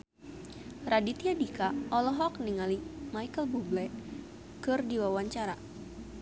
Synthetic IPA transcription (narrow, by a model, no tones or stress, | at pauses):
radit̪iadikaɔlɔɦɔk̚niŋalimajkəlbublɛt̪̚ | kɨrdiwawaɲt͡ʃaɾa